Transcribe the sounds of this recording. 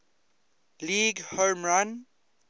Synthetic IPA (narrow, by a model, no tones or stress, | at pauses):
liɡhomɹãn